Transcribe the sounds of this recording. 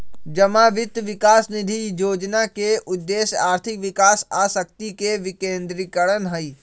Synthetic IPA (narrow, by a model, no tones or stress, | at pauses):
d͡ʒəmaʋɪt̪ʋɪkaːsnɪd̪ʱijoːd͡ʒnakeʔʊd̪ːeːsjaːɾt̪ʰɪkʋɪkaːsaːsək̚t̪ikeʋɪkẽːnd̪ɾɪkəɽənɦəi